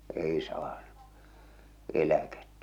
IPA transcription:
eˑi sɑːnu elæketːæ̥

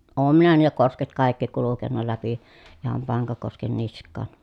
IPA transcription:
oːm minæ niːlæ kosket kɑˑi̯kːi kulukenːɑ læpi ihɑm pɑŋkɑkosken niskˑɑˑn

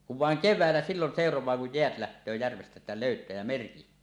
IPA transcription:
kuʋ ʋɑˑeŋ keʋˑæˑelːæ silːon seˑorowˑɑː kuj jeæt læhtøː jærʋestæ ĕtːæ loˑytæː jæ merkihtˑøː

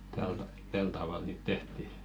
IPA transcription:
tæl tɑ tæl tɑʋɑˑl niːt tehti

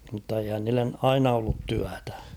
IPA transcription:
mn̆tːɑ eihæn niːlːen ɑinɑ olːut tyætæ̥

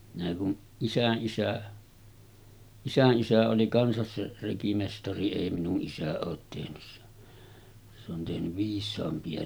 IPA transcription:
minæ kun isæʔːisæ isænʔisæ oli kɑnsɑs se rekimestɑri eˑi minuʔ ʔisæ oːt tehnys se se on tehnyʋ ʋiːsˑɑːmpiɑ

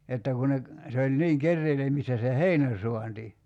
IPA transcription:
etːæ ku ne k se olʲ niːŋ kerːeilemistæ se heinæ suɑnti

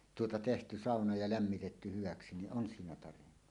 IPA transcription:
tuotɑ tehty sɑˑonɑ jɑ læmːitetːy hyʋɑksi niʔ ʔon siːnæ tɑrenːu

